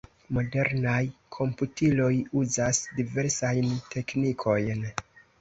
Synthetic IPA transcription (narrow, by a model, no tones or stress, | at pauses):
mo̞de̞ɾnajkʰo̞mputilo̞juzasdive̞ɾsajntʰe̞knikʰo̞jn